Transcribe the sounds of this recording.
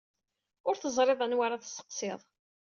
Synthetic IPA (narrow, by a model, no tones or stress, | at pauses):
ʊɾθəzˤɾˤeðˤənwaɾaθsə̥qseðˤ